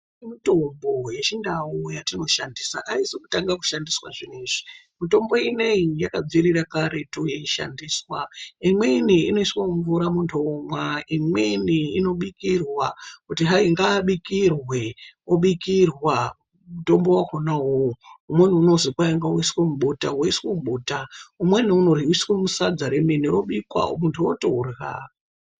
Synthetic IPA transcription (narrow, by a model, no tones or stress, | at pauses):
imito̞mbo̞je̞t͡ʃindawujatino̞ʃandisa̰ʔaisiku̥taŋɡaku̥ʃandiswa̰ʐiniːʐi̥ | mito̞mbo̞ineijakab͡virirakaɾe̞tujeiʃa̰ndiːswaimwe̞iniino̞iswamuɱvuɾamuntʰomwaimweiniino̞ɓikirwakutiɦaiŋɡaːɓikirweoɓikirwa | muto̞mbo̞wakonaɦoumwen̤uːno̞zikwaiŋɡaoiswamuɓotawaiswemuɓoːtaumweniunoriwiswemusad͡zaɾemeniɾoɓikwa̰ɦo̰muntʰuotorɣa̰